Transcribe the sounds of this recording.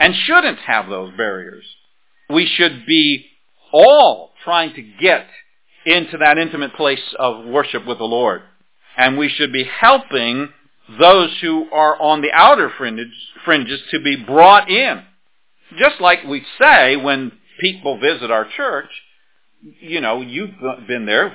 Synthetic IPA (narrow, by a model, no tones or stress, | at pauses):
ɨ̃nʃʊdⁿn̩thɨ̰vðoʊzbɛɹḭə̰˞z̥ | wiʃɨd̚bi | ɔlˠtʰɹ̥aɪɪ̃ŋtʰɨɡɛɾ | ɪ̃ntʉðɨɾɪ̃ntɨmɨt̚pʰl̥eɪsʌvwɜ˞ʃɨpwəðəlɔɹd | ɨ̃nwiʃɨd̚bihɛlˠpɪ̃ŋ | ðoʊz̥huʔə˞ʔə̃nðiʔaʊɾə˞fɹɪ̃nfɹɪ̃nd͡ʒɨz̥tʰɨbibɹɔɾɪ̃n | d͡ʒʌstˡlaɪkwiseɪwə̃n | pʰipl̩ˠvɪzɨɾaʊə˞t͡ʃʰɜ˞t͡ʃ | jɨnoʊjɨvbɨ̃nðə˞